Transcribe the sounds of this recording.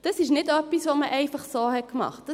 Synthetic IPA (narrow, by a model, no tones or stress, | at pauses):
d̥ɑsɪʃnɪdœpːisʋoməʔɛɪfɑχsoːhɛt̚kmɑ̰χt̚d̥ə